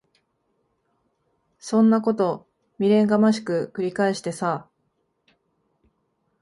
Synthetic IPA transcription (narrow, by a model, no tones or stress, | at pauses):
sõ̞nːako̞t̪o̞ | mʲiɾẽ̞ŋɡamaɕi̥kɯ̟kɯ̟ɾʲikaeɕi̥t̪e̞sa